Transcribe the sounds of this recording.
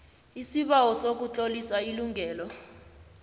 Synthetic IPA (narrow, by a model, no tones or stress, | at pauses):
isiɓawɔsok̬ut͡ɬʼolisailuŋʱɛːlɔ